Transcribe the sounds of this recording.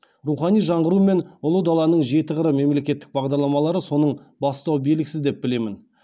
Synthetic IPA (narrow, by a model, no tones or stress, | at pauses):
ruχɑnijʒɑɴʁəɾume̞nʊlˠəd̪ɑlˠɑnəɴʒe̞t̪ɪʁəɾəme̞mle̞kʲe̞t̪ːɪ̥k̚bɑʁd̪ɑɾlˠɑmɑlˠɑɾəso̞nəɴ | bɑst̪ɑwbelɪkʲɪsɪzd̪e̞p̚bɪle̞mɪn